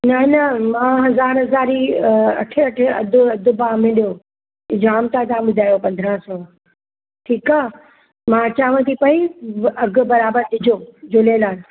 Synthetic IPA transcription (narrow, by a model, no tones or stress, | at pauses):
nɐnɐmãːɦɐzaːɾɦɐzaːɾiɐ̰ʈʰɪɐʈʰɐ̰d̪ʊɐd̪ʱʊbaːmɪ̃ɗijo | d͡ʑaːmt̪ãt̪ãɓʊd̪ʱaːjopɐ̃nd̪ʱɾaːsɔː | ʈʰiːkaː | mãt͡ɕaːʋə̃t̪ʰipɐiɐɡʱʊbɐɾaːbəɾd̪ɪd͡ʑʱoːd͡ʑoːleːlaːn